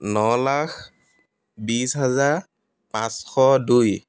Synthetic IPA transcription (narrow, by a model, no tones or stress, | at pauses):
nɔlax | bisɦazaɹ | pãsxʰɔduj